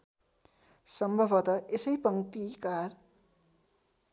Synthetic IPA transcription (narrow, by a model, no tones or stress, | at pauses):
sʌmbʱʌbʱʌt̪ʌʔesʌjpʌŋt̪ikar